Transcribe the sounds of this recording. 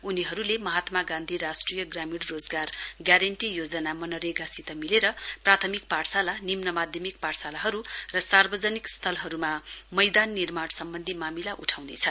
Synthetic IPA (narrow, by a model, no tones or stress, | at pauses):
uniɦʌɾulemʌɦat̪maɡãnd̪ʱiɾasʈrijʌɡramiɽrod͡zɡarɡjaɾeɳʈijod͡zʌnamʌnʌɾeɡasit̪ʌmileɾʌprat̪ʰʌmik̚paɽsalanimnʌmad̪ʱjʌmik̚paɽsalaɦʌɾurʌsarbʌd͡zʌnikst̪ʰʌlɦʌɾumamʌjd̪anːirmansʌmbʌnd̪ʱimamilaʔuʈʰawnet͡sʰʌ